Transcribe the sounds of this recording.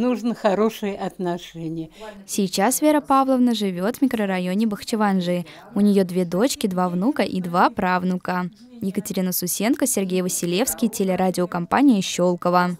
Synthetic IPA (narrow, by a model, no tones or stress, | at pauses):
nuʐnəxɐɾoʂɨjəʔɐt̪nɐʂɛnʲɪjəsʲɪjt͡ɕasvʲeɾəpavlˠəvnəʐɨvʲo̞t̪vmʲɪkɾəɾɐjo̞nʲɪbəxt͡ɕɪvanʐɨ | ʊnʲɪjo̞d̪vʲe̞d̪o̞t͡ɕkʲɪd̪vavnukəʔid̪vapɾavnukə | jɪkətʲɪɾʲinəsʊsʲe̞nkəsʲɪrɡʲejvəsʲɪlʲe̞fskʲɪjtʲelʲɪɾadʲɪokɐmpa̰nʲɪjəɕːolˠkəvə